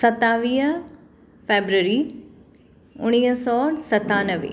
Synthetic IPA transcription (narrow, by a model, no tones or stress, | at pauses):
sət̪ːaːʋiː | pʰeːbɾəɾiː | ʊɽ̃iːəsɔːsət̪ːaːnəʋḛː